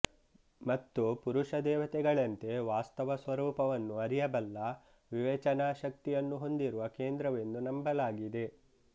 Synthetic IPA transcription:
mɐt̪ːupuɾuʂɐd̪ɛːʋɐt̪ɛɡɐɭɐnt̪e̞ʋaːst̪ɐʋɐsʋɐɾuːpɐʋɐnːuɐɾijɐbɐlːɐ | ʋiʋɛːt͡ʃɐnaːʃɐk̚t̪ijɐnːuɦo̞nd̪iɾuʋɐkeːnd̪ɾɐʋe̞nːunɐmbɐlaːɡid̪e̞

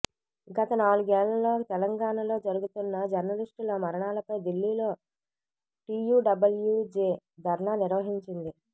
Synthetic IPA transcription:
ɡɐt̪ɐnaːluɡɛːlɐlo̞ːt̪ɛlɐŋɡaːnɐlo̞ːd͡ʒɐɾuɡut̪unːɐd͡ʒɐɾnɐliʂʈloːmɐɾɐɳaːlɐpɐjd̪ilːiːlo̞ː | ʈiːjuːɖɐbɐljud͡ʒeːd̪ʱɐɾɳaːniɾʋɐɦiɲt͡ʃind̪i

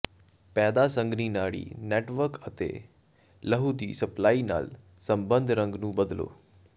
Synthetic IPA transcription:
pɛːd̪aːsə̃ŋɡniːnaːɭḭːnɛːʈʋəɾkət̪ḛː | ləɦud̪iːsəplaːiːna̰ːl | sə̃mbə̃nd̪ʱɾə̃ŋɡnũːbəd̪lo̰ː

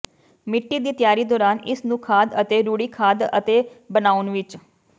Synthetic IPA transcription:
mɪʈːiːd̪iːt̪ɪjaːɾiːd̪ɔːɾaːnɪsnũːkʰaːd̪ət̪eːɾuːɽiːkʰaːd̪ə̰t̪eːbənaːʊnʋɪt͡ʃ

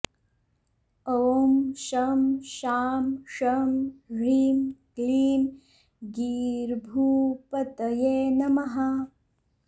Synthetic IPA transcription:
omʃɐmʃaːmʃɐmɾiːmkliːm | ɡiːɾbʱuːpɐt̪ɐjeːnɐmɐɦɐ

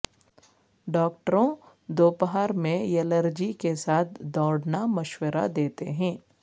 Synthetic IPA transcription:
ɖɔːk̚ʈəɾõ | d̪oːpəɦaːɾmẽjɛləɾd͡ʒikesaːt̪̚ʰd̪ɔːɽnamɐʃwəɾa̰d̪eːt̪ḛɦɛ̃ː

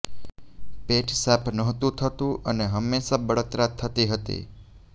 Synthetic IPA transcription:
peʈsapʰnəɦt̪ũt̪ʰət̪ũʔəneɦəmːeʃabəɭət̪ɾat̪ʰːət̪iɦət̪ḭ

